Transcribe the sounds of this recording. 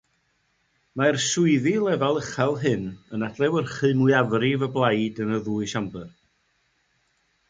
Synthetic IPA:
marsʊɨðilˠɛvalˠəχalˠɦɨnənad̥lˠɛwərχɨmuɨavrivəblˠajdənəðuːɨʃambɨr

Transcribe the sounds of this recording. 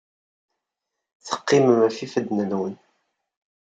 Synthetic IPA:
θə̥qːiməmæfifəd̪nluwn

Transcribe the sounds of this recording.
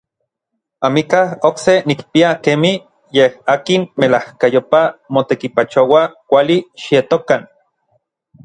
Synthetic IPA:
amikahoksenikpiakemi | jehaːkinmelahkajopamot̪ekipat͡ʃowakʷaliʃijet̪okan

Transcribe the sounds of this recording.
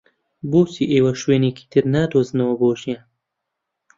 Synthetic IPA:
boːsiːʔeːwɐʃweːneːkʰi̥ːt̪ʰɨɾnaːd̪oːznɐwɐboːʒijan

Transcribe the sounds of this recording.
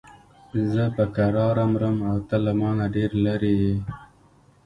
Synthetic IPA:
zəpəkaɾɑːɾamɾəmawt̪alamɑnaɖeɾlaɾeje

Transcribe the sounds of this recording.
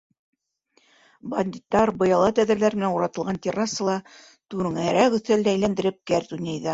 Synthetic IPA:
bɐnʲd̪ʲit̪ːɑɾbɤ̆jɑlˠɑt̪æðɘ̆ɾlæɾmɘ̆nænuɾɑt̪ɤ̆lˠʁɑnt̪ʲerɑsɤlˠɑ | t̪ʉɾŋæɾækɵ̆θæld̪ææjlænd̪ɘ̆ɾɘp̚kæɾd̪unʲejðɑ

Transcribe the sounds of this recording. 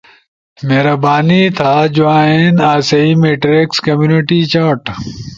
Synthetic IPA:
meːɾɐbaːnit̪ʰaːd͡ʑoãːenaːsɐimeːʈɾekskɐmjuːniʈit͡ɕaːʈ

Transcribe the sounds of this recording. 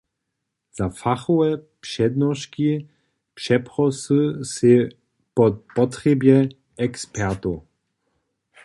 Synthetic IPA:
z̥afaxɔɛpʃɛd̪nɔʃki | pʃɛpʁɔsɨse | pɔpɔtʁɛbjɛ | ɛkspɛʁt̪o

